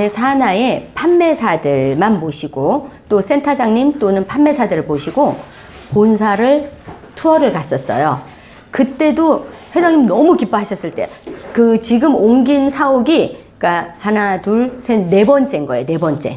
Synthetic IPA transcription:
esʰanae̞pʰanːe̞sʰadɯɭmanpoɕʰiɡot͈os͈e̞ntʰad͡ʑaŋɲimt͈onɯnpʰanːe̞sʰadɯɾɯɭpoɕʰiɡo | ponsʰaɾɯɭtʰuʌɾɯɭkas͈ʌs͈ʌ̰jo | kɯt͈e̞doɸwe̞d͡ʑaŋɲimnʌmukip͈oɦaɕʰʌs͈ɯɭt͈e̞̰kɯt͡ɕiɡɯmoŋɡinsʰaoɡi | k͈ahanatuɭsʰenne̞bʌnt͡ɕ͈e̞nɡʌejone̞bʌnt͡ɕ͈e̞̰

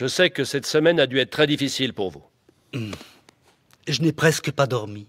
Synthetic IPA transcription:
ʒəsɛkəsɛt̪səmɛnad̪yɛt̪̚t̪χɛd̪ifisilpuʁvṵ | ʒənɛpχɛskəpad̪ɔʁmi

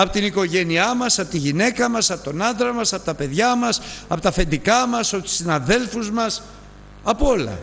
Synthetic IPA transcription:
ɐpo̞t̪iniko̞ʝe̞niɐmɐsɐpo̞t̪iʝine̞kɐmɐsɐpot̪o̞nɐnd̪ɾɐmɐsɐpo̞t̪ɐpe̞ðʝɐmɐsɐpo̞t̪ɐfe̞nd̪ikɐmɐsɐpo̞t̪u̥sinɐðe̞lfuzmɐs | ɐpoo̞lɐ̰

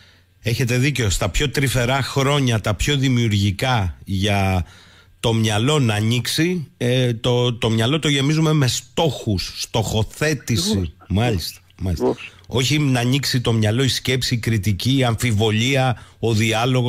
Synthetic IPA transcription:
e̞çe̞t̪e̞ðiceo̞st̪ɐpço̞t̪ɾife̞ɾɐxɾo̞ɲɐt̪ɐpço̞ðimiuɾʝikɐʝɐ | t̪o̞mɲɐlo̞nɐːɲiksit̪ot̪o̞mɲɐlo̞t̪o̞ʝe̞mizume̞me̞st̪o̞xusːt̪o̞xo̞θe̞t̪isimɐʎist̪ɐmɐliso̞çinɐɲiksit̪o̞mɲɐlo̞isce̞psikɾit̪iciɐɱfivo̞ʎiɐo̞ðiɐlo̞ɣo

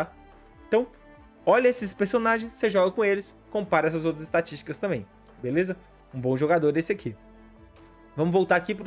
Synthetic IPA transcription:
a | ẽt̪ɐ̃w̃ | ɔʎɐesɪspeɾsonaʒẽj̃sːeʒɔɡɐkõelɪs | kõpaɾɛs̬ɐzowt̪ɾɐzɪst̪at͡ʃist͡ʃi̥kɐst̪ɐ̃mbẽj̃ | belezɐ | ũbõʒoɡad̪oɾesɪakʰi | vɐ̃mʊzvowt̪aɾakipɾ

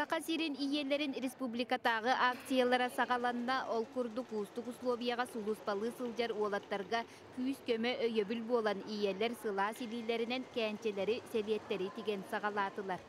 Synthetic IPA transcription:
sɑqɑsiɾinijeleɾinrʲespublʲikad̪ɑʁɯʔak̚t̪sɨjalˠɑɾɑsɑʁɑlˠɑnnɑʔolˠkuɾd̪uquːst̪uquslˠovʲijaʁɑsulˠuspɑlˠɯːsɯlˠd͡ʒɑɾuɔlˠɑt̪ːɑɾʁɑ | kyskømøʔøjøbylbuolˠɑnijelɛɾsɯlˠɑːsiliːleɾinɛnkɛːnt͡ʃɛleɾiselijɛt̪ːeɾit̪iɡɛnsɑʁɑlˠɑːt̪ɯlˠɑɾ

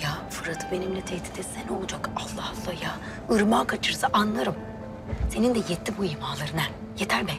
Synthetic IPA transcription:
jaːfɯɾat̪ʰɯ̥be̞nimlʲɛt̪ʰeht̪i̥d̪ɛt̪sɛnolˠd͡ʒakalˠːahalˠːahjaː | ɯɾmaːkʰat͡ʃʰɯɾsaʔanlˠaɾɯm | se̞nind̪ɛjɛt̪ʰːʲibuimaːlˠaɾɯnan | jet̪ʰæɾbæn

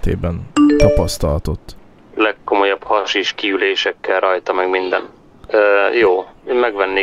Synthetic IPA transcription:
t̪ḛːbɛnt̪ɒpɒst̪ɒlt̪o̞t̪ː | lɛkːo̞mo̞jɒbhɒʃiʃkiyleːʃɛkːɛlrɒjt̪ɒmɛɡmind̪ɛ̰n | øːjoːeːmmɛɡʋɛnːeː

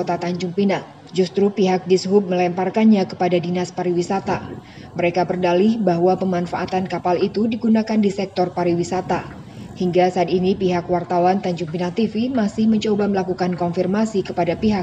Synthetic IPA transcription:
ot̪at̪aɲd͡ʒuŋpinah̚ | d͡ʒust̪ɾupiɦak̚disɦʊp̚məlɛmparkanɲakə̥padadinaspaɾiwisat̪a | məɾekabərdalɪhbaɦwapəmanfaʔːt̪ankapalit̪udiɡunakandisɛk̚t̪ɔrpaɾiwisat̪a | hiŋɡasaːt̪inipiɦakwart̪awant̪aɲd͡ʒuŋpinah̚t̪ifimasɪhməɲt͡ʃobaməlakukankɔnfirmasikəpadapiɦa

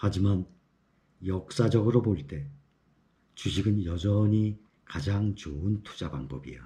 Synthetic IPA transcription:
had͡ʑiman | jʌk̚s͈ad͡ʑʌɡɯɾoboiɭt͈e̞ | t͡ɕuɕʰiɡɯnjʌd͡ʑʌɲi | kad͡ʑaŋt͡ɕoɯntʰu̥d͡ʑaba̰ŋbʌ̰bḭo

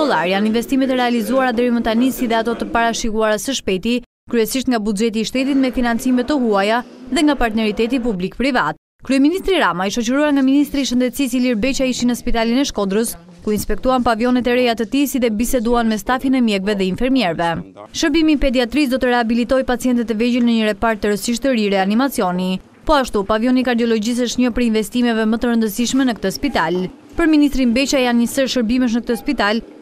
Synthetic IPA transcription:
ɔlˠaɾjaninvɛst̪imɛt̪əɾɛalizuaɾad̪ɛɾimət̪anisiðɛat̪ɔt̪əpaɾaʃikuaɾasəʃpɛt̪i | kɾyɛsiʃt̪ŋɡabud͡ʒɛt̪iːʃt̪ɛt̪̬it̪mɛfinant͡simɛt̪ːəɦuajaðɛŋɡapaɾt̪nɛɾit̪ɛt̪̬ip̬ublikpɾivat̪̚ | kɾyɛminist̪ɾiɾamaiʃɔt͡ʃəɾuaɾŋɡaminist̪ɾiʃənd̪ɛt̪sisiliɾbɛt͡ʃaiʃinəspit̪alinɛʃkɔd̪ɾəs | kuinspɛk̚t̪uanpavjɔnɛt̪ɛɾɛjat̪ət̪isiðɛbisɛd̪uanmɛst̪afinɛmjɛɡvɛðɛinfɛɾmjɛɾvɛʃəɾbimipɛd̪iat̪ɾis̬d̪ɔt̪əɾɛabilit̪ɔjpat͡siɛnt̪̬ɛt̪ɛvɛd͡ʑəlnəɲəɾɛpaɾt̪ːəɾəsiʃ̬t̪əɾiɾɛanimat͡siɔni | pɔaʃt̪upavjɔnikaɾd̪iɔlɔd͡ʑis̬əʃt̪ɲɔpəɾinvɛst̪imɛvɛmət̪əɾənd̪əsiʃmɛnəkt̪əspit̪al | pəɾminist̪ɾinbɛt͡ɕajanɲəsəɾʃəɾbimɛʃ̬nək̚t̪əspit̪al

